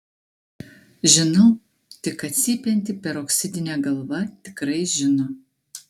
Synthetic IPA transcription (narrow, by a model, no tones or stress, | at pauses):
ʒʲɪnɐʊ | t̪ʲɪkɐt̪ʲsʲiːpʲɛnʲt̪ʲɪpʲɛɾoːksʲɪd̪ʲɪnʲɛɡɐlˠʋɐt̪ʲɪkɾɐɪʒʲɪno